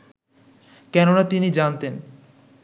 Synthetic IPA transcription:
kɛnonat̪inid͡ʑant̪en

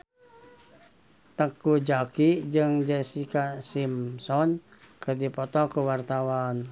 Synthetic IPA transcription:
t̪əkud͡ʒakid͡ʒɨŋd͡ʒɛsikasimsɔnkərdipɔt̪ɔkuwart̪awan

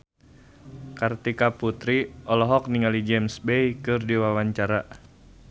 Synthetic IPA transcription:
kart̪ikaput̪ɾiʔɔlɔɦɔk̚niŋalid͡ʒɛmsbejkɨrdiwawaɲt͡ʃaɾa

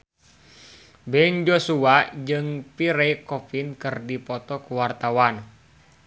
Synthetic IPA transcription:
bɛnd͡ʒosuad͡ʒɨŋpiɾɛikɔpinkɨrdipɔt̪ɔkuwart̪awan

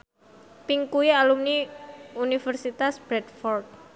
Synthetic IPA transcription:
piŋkuialumniunifərsit̪asb̥ɾɛt̪fɔrt̪̚

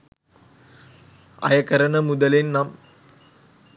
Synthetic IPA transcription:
ɐ̰jɐkɐɾɐɳɐmud̪ɐlinnɐm

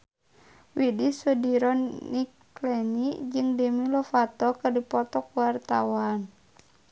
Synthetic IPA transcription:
widisudiɾɔnnik | lɛnid͡ʒɨŋdəmilɔfat̪ɔkɨrdipɔt̪ɔkuwart̪awan

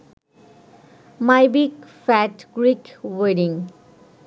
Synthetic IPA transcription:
majbiɡfæʈɡɾikweɖĩŋ

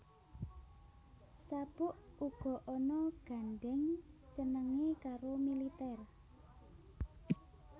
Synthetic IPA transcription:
sab̥ʊʔuɡ̥ɔ̤ʔɔnɔɡ̥a̤nɖɛŋt͡ʃənəŋekaɾomilit̪ɛr

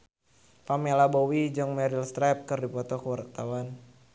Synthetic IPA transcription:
pamɛlabɔwid͡ʒɔŋmɛɾilst̪ɾɛp̚kɨrdipɔt̪ɔkəwart̪awan

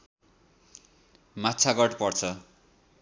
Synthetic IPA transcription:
matːt͡sʰaɡʌʈpʌrt͡sʰʌ

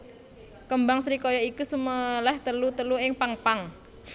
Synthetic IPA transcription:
kəmbaŋsɾikɔjɔikusuməlɛht̪əlut̪əluɪŋpaŋpaŋ

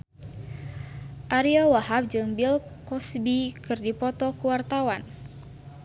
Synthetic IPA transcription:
ʔaɾiawaɦap̚d͡ʒɨŋbilkɔsbikɨrdipɔt̪ɔkuwart̪awan

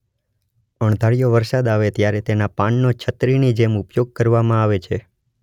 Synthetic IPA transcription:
əɳ̃d̪ʱaɭijoʋəɾsad̪aʋet̪jaɾet̪enapanːot͡ʃʰət̪ɾinid͡ʒemupjoɡ̚kəɾʋamãaʋet͡ʃʰe

